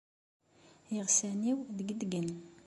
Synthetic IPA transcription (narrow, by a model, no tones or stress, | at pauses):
jəʁsæniwðəɡəd̪ɡən